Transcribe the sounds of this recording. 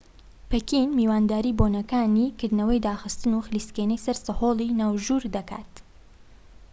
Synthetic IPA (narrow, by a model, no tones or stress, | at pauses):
pʰekinmiːwaːnd̪aːɾiːboːnɐkaːnikɨɾd̪nɐwɐjd̪aːxɨst̪ɨnuxɨliːskenɛjsɐɾsɨhoːlˠinaːwʒuːɾd̪ɐkʰa̰ːt̪